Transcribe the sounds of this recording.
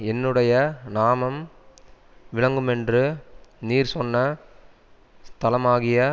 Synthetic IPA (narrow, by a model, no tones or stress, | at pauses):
ɛnːɯɽɐjɐnaːmɐm | ʋɪɭɐŋɡɯmɛndrɯniːɾsɔnːɐ | st̪ɐlɐmaːɣɪjɐ